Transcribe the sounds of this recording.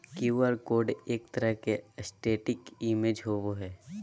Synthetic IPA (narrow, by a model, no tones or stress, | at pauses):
kuəɾkoːɾɖeːk̚t̪əɾəɦkeəsʈeːʈɪkimeːd͡ʒɦoːboɦɛː